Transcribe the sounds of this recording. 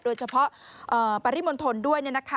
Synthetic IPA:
doː˧jt͡ɕʰa˧pʰɔ˦˥ʔɤː˨˩pa˧ɾi˦˥˩mo˧nt̪ʰo˧ndu˥˩əjni˥˩na˦˥kʰa˦

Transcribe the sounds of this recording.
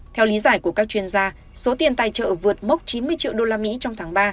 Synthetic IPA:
t̪ʰɛ˧wli˨˦zaː˧˩jku˧˩əkaː˦˥k̚t͡ɕwi˧ənzaː˧ | so˨˦t̪i˧˩ənt̪a˧˩jt͡ɕə̰ː˧˨vɨ˨˩ət̚mə˦˥wk͡p̚t͡ɕi˨˦nmɨ˧əjt͡ɕḭ˧˨wɗo˧laː˧mḭ˧˥t͡ɕɔ˧wŋ͡mt̪ʰaː˨˦ŋɓaː˧

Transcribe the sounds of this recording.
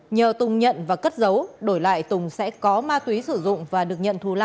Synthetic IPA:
ɲəː˨˩t̪ʊ˨˩ŋ͡mɲə̰˧˨nvaː˨˩kə˦˥t̚zə˨˦wɗo˧˩jla̰ː˧˨jt̪ʊ˨˩ŋ͡msɛ̰˧˥kɔ˨˦maː˧t̪wi˨˦sɨ˧˩zʊ̰˧˨ŋ͡mvaː˨˩ɗɨ˨˩ək̚ɲə̰˧˨nt̪ʰu˧˩laː˧˩

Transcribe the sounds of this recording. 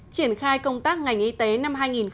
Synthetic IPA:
t͡ɕi˧˩ənxaː˧jkə˧wŋ͡mt̪aː˦˥k̚ŋa˨˩jŋ̟ʔi˧t̪e˨˦na˧mɦaː˧jŋi˨˩nx

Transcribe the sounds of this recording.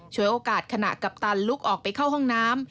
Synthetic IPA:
t͡ɕʰu˦əjʔoː˧kaː˨˩t̪̚kʰa˧na̰˨˩ka˨˩p̚t̪a˧nlu˦˥k̚ʔɔː˨˩k̚pa˧jkʰa˥˩wɦɔ˥˩ŋnaː˦˥m

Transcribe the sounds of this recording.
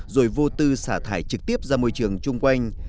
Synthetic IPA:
zo̰˧˩jvo˧t̪ɨ˧saː˧˩t̪ʰaː˧˩jt͡ɕɨ˨˩k̚t̪i˦˥əp̚zaː˧mu˧əjt͡ɕɨ˨˩əŋt͡ɕʊ˧ŋ͡mkwa˧jŋ̟

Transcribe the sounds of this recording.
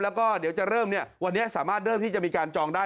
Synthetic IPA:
lɛː˦˥wkɔː˥˩di˩˦wt͡ɕa˨˩ɾɤː˥˩mni˥˩ɐwa˧nːi˦˥ɐsaː˩˦maː˥˩t̪̚ɾɤː˥˩mt̪iː˥˩a˨˩miː˧kaː˧nt͡ɕɔː˧ŋdaː˥˩

